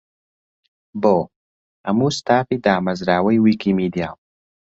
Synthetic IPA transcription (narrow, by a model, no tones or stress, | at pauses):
boː | ɐmuːst̪aːfiːd̪aːmɐzɾaːwɐjwiːkimiːd̪ija̰ːw